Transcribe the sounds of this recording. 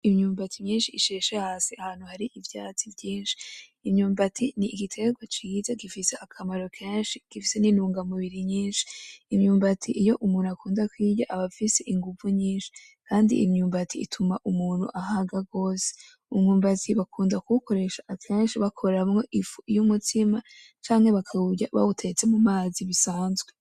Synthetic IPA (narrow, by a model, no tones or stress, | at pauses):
imɲuːmbatimɲiːnʃiːʃeːʃehasiahaːn̥huhaɾiʔivjat͡sivjiːnʃi̥ː | mɲuːmbatʰiniːɡitʰe̞ɡwat͡ʃiizaɡifise̞ʔakʰamaɾo̞kʰeːnʃiɡ̥ifise̞ninuːŋɡamuβiɾiɲiːnʃi̥ːmɲuːmbatʰiʔijo̞ʔumuːnuakuːndakwiːɟaʔaβafise̞ʔiŋɡuvuɲiːnʃi̥ | kaːndḭʔḭmɲuːmbatʰiḭtʰumaʔumuːnhṵʔaɦaɡaɡo̞ːse̥ | umɲuːmbatʰiβakuːndakuuko̞ɾe̞ʃaʔakʰe̞ːnʃiβakʰo̞ɾamŋo̞ʔifujumutʰima | t͡ʃaːŋhe̞βakʰauɟaβa̰utʰe̞t͡se̞mumaːziβisaːnzɡwe